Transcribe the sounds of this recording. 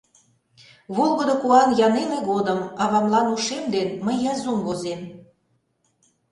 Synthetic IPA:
βolˠɣə̆d̪okuɑnjɑnemeɣod̪əmɑβɑmlɑnuʃemd̪enməjːɑzumβozem

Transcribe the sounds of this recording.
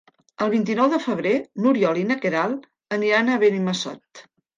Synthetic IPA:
əlˠβ̞int̪̬inɔwðəfəβ̞ɾenuɾiɔlinəkeɾalˠ | ənianəβeniməsɔ̰t̪

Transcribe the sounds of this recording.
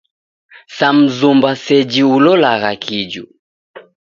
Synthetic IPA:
sam̩zumbasɛd͡ʒiulɔlaɣakʰid͡ʒṵ

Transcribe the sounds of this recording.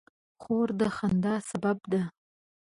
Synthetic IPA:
χoɾd̪əχand̪ɑsababd̪a

